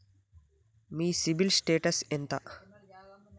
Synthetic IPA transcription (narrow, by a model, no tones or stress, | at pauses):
miːsibilsʈeːʈɐsent̪ɐ